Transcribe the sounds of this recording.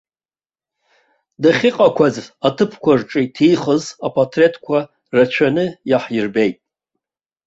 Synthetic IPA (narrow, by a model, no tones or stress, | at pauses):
daχʲiqʼakʷʰazatʰɨpʰkʷarʈ͡ʂʼitʰiχəzapʼʰatʰretʰʼkʷʰa | rat͡ʃʷʰanɨjaħjirbejtʼ